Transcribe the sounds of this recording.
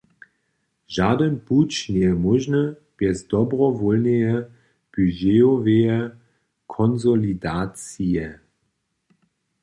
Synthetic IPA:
ʒaːdənput͡ʃneəmɔʒnə | b̥ɛsdɔbʁɔvɔlneə | b̥yʒeɔveə | kʰɔnzolidaːt͡siə

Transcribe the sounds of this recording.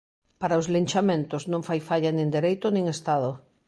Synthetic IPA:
paɾaozlint͡ʃamẽnt̪oznõŋfajfaʎanĩnd̪eɾejt̪onĩŋest̪að̞o

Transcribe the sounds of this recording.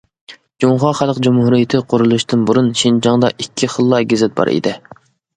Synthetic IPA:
d͡ʒuŋχɑχælˠqd͡ʒumhuɾijɪt̪ʰɪqʰoɾulˠuʃt̪ɨnbuɾunʃind͡ʒɑŋd̪ɑ̰ʔikʲʰːiχəlˠːɑɡʲezɪt̪̚bɑ̰ɾḭd̪ɪ

